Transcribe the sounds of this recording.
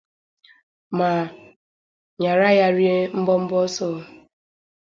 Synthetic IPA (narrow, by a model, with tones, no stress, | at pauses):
ma˨ | ɲa˨ɾa˦ja˦ɾje˦m̩˦bɔ˦m̩˦bɔ˦sɔː˦˨